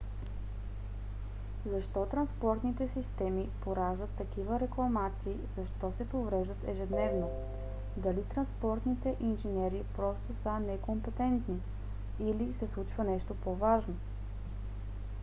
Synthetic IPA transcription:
zɐʃt̪ɔt̪ɾɐnspɔɾt̪nit̪ɛsist̪ɛmipoɾaʒd̪ət̪ːɐkivəɾɛklˠɐmat̪siːzɐʃt̪ɔsɛpovɾɛʒd̪ət̪ɛʒɛd̪nɛvno | d̪ɐlit̪ɾɐnspɔɾt̪nit̪ɛʔinʒinʲɛɾipɾɔst̪osənɛkompɛt̪ɛnt̪ni | ilisɛslˠut͡ʃvənɛʃt̪opovaʒno

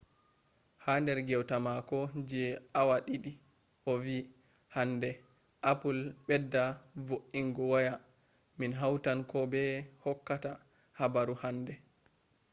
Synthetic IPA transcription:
handɛɾɡɛwtamakɔd͡ʒɛawaɗiɗi | ʔɔvi | handɛ | ʔapulɓɛdːavoʔiŋɡɔwaja | minɦawtankɔbɛhɔkːata | habaɾuhandɛ

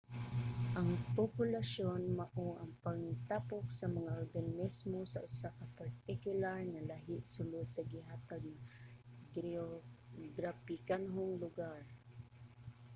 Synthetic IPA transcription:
ʔɐŋpopʊlasjonmaʔoʔɐŋpaŋt̪apoksɐmaŋaʔoɹɡannɪsmosaʔʊsakapaɹt̪ɪkjʊlaɹnalaɦɪʔsʊlod̪̚sɐɡɪɦaːt̪aɡ̚naɡɾoɡɾapɪkanɦoŋlʊɡaɹ

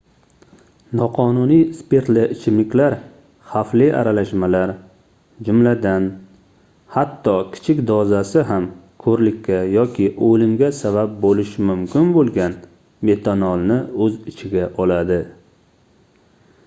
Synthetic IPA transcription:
nɒqʰɒnʊnijspeɾt̪lɪʔɪt͡ʃʰɪmlɪkʲlaɾ | haflɪʔa̰ɾalaʃmalaɾ | d͡ʒʊmlad̪an | hat̪ʰːɒkʲʰɪ̥t͡ʃʰɪkʲd̪ɒzasɪɦam | kʰɵɾlɪkʲʰːajɒkʲʰɪʔolɪmɡʲasabap̚bolɪʃmʊmkʲɪnbolˠɡʲan | me̞t̪ʰonɒlˠnɪɵzɪt͡ʃʰɪɡʲaʔɒlad̪ɪ

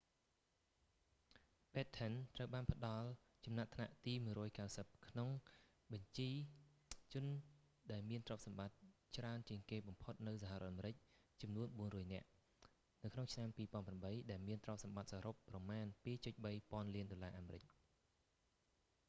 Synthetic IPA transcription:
pɛːt̪ʰːənt̪rəwɓaːnpʰə̆ɗɑl | t͡ɕɑmnat̪ʰna̰ʔt̪iːmuəjɾrɔːjkaɨwsəp̚kʰnoŋ | ɓɑɲt͡ɕiː | t͡ɕʊ̆ən | ɗaɛlmiənt̪rŏəp̚sɑmɓat̪̚t͡ɕraənt͡ɕiəŋkeːɓɑmpʰot̪̚nɨwsaɦarɔət̪ʔameɾɨc̚t͡ɕɑmnuənɓuənrɔːjnɛ̆əʔ | nɨwkʰnoŋt͡ɕʰnampiːpŏənpramɓəjɗaɛlmiənt̪rŏəp̚sɑmɓat̪̚saːɾopːrɑmaːnpiːt͡ɕʊc̪̚ɓəjpŏənliənɗolaːʔaːmeːɾɨc̚

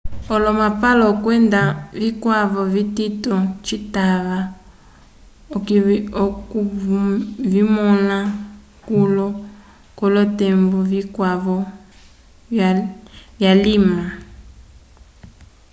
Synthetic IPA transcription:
ɔlɔmapalɔkwɛndavikwaβɔvititɔt͡ʃitaβa | ku | vimɔna | kulɔ | kɔlɔtɛmbɔvikwaβɔ | vjalima

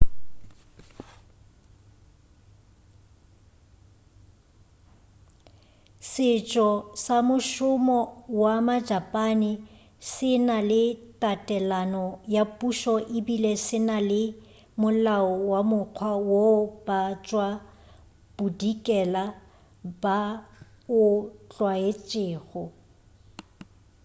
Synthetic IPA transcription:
sɪt͡ʃʼɔsamʊʃʊmɔwamad͡ʒapʼanɪ | sɪnalɪtʼatʼɛlanɔjapʼuʃɔʔɪbilesɪnalɪ | mʊlaɔwamʊq͡χʰwawob̥at͡ʃʼwa | b̥udikʼɛla | b̥a | ʊt͡ɬʼwaet͡ʃʼeːɣɔ

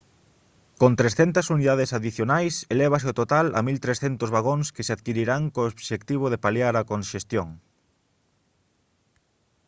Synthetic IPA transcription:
kont̪ɾesθɛnt̪ɐsuniðaðesaðiθjonajselɛβ̞aseot̪ot̪alɐ̰milt̪ɾesθɛnt̪ʊzβaɣoŋskɪseaðkiɾiɾaŋkoːβʃekt̪iβ̞oðepaljaɾɐkonʃest̪joŋ

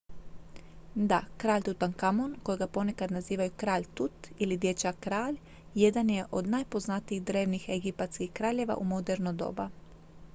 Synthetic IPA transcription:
d̪akɾaːʎʲt̪ut̪ankamonkojiɡapo̞nekad̪naziːʋajukɾaːʎt̪ut̪ilid̪jet͡ʃakɾaːʎ | jed̪anjeʔod̪najpoznat̪iiɣd̪ɾeːwnixeɡipat̪skixkɾaːʎjeʋa̰ʔumod̪eɾnod̪o̰ːba

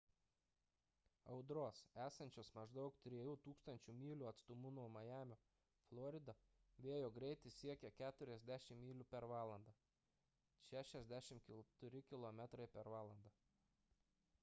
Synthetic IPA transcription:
ɐʊd̪ɾoːsæːsɐnʲt͡ʃʲoːsmɐʒd̪ɐʊkt̪ʲɾʲiɛjuːt̪uːkst̪ɐnʲt͡ʃʲumʲiːlʲʊɐt̪st̪ʊmuːnɔmɐjæːmʲoː | flˠɔɾʲɪd̪ɐ | ʋʲeɛjoːɡɾʲɛɪt̪ʲɪsʲiɛkʲɛkʲæːt̪ʊɾʲɛzʲd̪ʲæʃʲɪmːʲiːlʲʊpʲɛɾʋɑːlˠɐnd̪ɐ | ʃʲæːʃʲɛzʲd̪ʲæʃʲɪmkʲɪt̪ʊɾʲɪkʲɪlˠɔmʲɛt̪ɾɐɪpʲɛɾʋɑːlˠɐnd̪ɐ

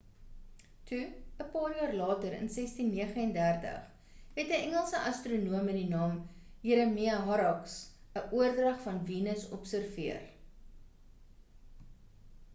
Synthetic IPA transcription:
tʰuəpɑːrjɑːrlɑːtəɾə̰nsɛstinːiəχəɛndærtə̰χ | ɦɛtəɛŋəlˠsəʔɐstronuəmədinɑːmjiɾəmiɐɦɐɾɑks | əʔuərdrɐχfɐnviːnəsɔpsərviər

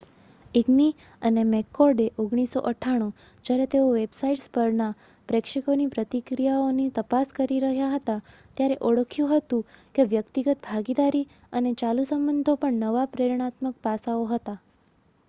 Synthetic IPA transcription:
iɡni | ənemekːɔɾɖeʔoɡɳ̃iso̰ʔəʈʰaɽ̃u | d͡ʒjaɾet̪eoʋebsaiʈspəɾna | pɾekʂikonipɾət̪ikɾijaonit̪əpaskəɾiɾəɦjaɦət̪at̪jaɾeʔoɭəkʰjũɦət̪ũkeʋjəkt̪iɡət̪bʱaɡid̪aɾi | ənet͡ʃalusəmbənd̪ʱopəɳnəʋapɾeɾɳ̃at̪mək̚pasaoɦət̪a

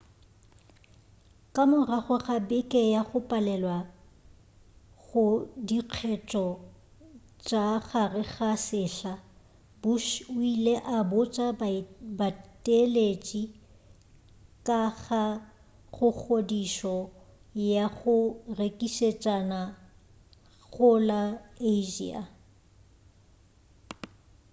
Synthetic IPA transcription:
kʼamʊraχʊɣabɪkʼɛjaχʊpʼalɛlwa | ɣʊdiq͡χʰɛt͡ʃʼɔ | t͡ʃʼaχarɪɣasɪːɬa | bʊʃʊileʔabʊt͡ʃʼabatʼelet͡ʃʼi | kʼaɣa | χʊk͡xʰodiʃɔ | jaɣʊrekʼiʃet͡ʃʼana | ɣʊlaeʒḭːa̰

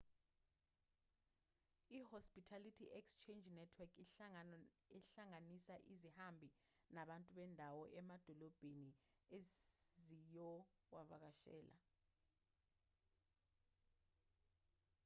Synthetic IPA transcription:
ihɔspʼitʰalitʰiʔɛkst͡ʃʰend͡ʒnɛtʰwɛkʰi | ɛɬaŋanisaʔizihambʱi | naɓantʼuɓɛndʱawɔʔɛmad̥ʱɔlɔb̥ʱeniezijɔwavak̬aʃɛ̰ːlʔa̰

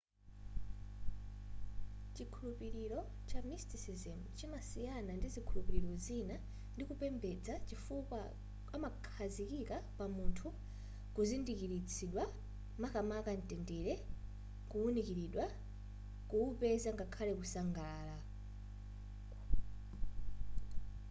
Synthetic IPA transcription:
t͡ʃikʰulupiɾiɾɔ | t͡ʃamistisizɛmt͡ʃimasijanandizikʰulupiɾiɾɔzina | ndikupɛmbɛd͡zat͡ʃifuka | amakʰazikikapamuntʰu | kuzindikiɾit͡sʰiɗwa | makamakan̩tʼɛndɛɾɛ | kuunikiɾiɗwa | kuupɛzaŋɡakʰalɛkusaŋɡaːla

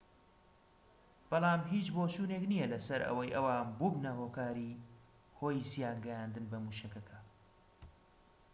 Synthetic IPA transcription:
b̥ɐlˠɑːmɦit͡ʃbot͡ʃuːneknijɐlɐsɐɾʔɐ̰wɐjʔɐwaːnbubnɐhokaːɾi | ho̞ːjisijaːnɡɐjaːnd̪ɨnbɐmuʃɐkɐkʰɐ

